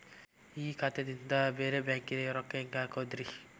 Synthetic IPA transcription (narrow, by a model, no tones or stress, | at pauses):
iːkʰat̪ed̪ind̪ɐbeːɾebaːŋkid̪eɾokːeeŋɡaːkoːd̪ɾi